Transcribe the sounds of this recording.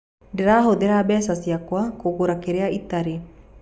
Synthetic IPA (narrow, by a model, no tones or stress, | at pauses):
deɾaɦod̪eɾabɛsasiakoakokoɾakeɾeaʔit̪aɾe